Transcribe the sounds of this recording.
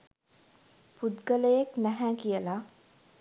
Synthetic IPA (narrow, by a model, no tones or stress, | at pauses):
pud̪ɡələjeknæɦæːkijəla